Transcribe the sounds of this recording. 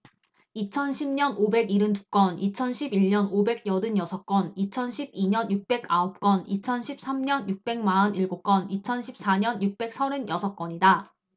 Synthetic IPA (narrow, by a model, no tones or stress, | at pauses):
it͡ɕʰʌnɕʰimɲʌnobe̞ɡiɾɯntuk͈wʌnit͡ɕʰʌnɕʰibiʎɲʌnobe̞ɡ̚jʌdɯnjʌsʰʌk͈̚wʌnit͡ɕʰʌnɕʰib̚iɲʌnjuk̚p͈e̞ɡaʌp̚k͈ʌnit͡ɕʰʌnɕʰip̚s͈ʰamɲʌnjuk̚p͈e̞ŋmaʌniɭɡok͈ʌnit͡ɕʰʌnɕʰip̚s͈aɲʌnjuk̚p͈e̞k̚s͈ʰʌɾɯnjʌsʰʌk͈wʌɲida